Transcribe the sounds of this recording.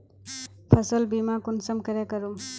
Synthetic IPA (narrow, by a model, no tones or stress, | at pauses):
pʰɐsɔlbimakunsɐmkɐɾakəɾum